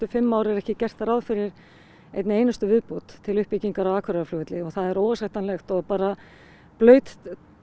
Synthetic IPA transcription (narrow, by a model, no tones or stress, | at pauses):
t̪ʏfɪmːawɾɛɾɛhcɪcɛr̥t̪aɾawðfɪɾɪɾ̥ | ḛjt̪nejnast̪ʏvɪðpuːt̪ʰːɪlʏhpɪciŋkaɾawaːkʰvɛɾaflʏːt̪lɪɔɣθaðɛɾowasajht̪anlɛxt̪ɔɣpaːɾa | plœːɥt̪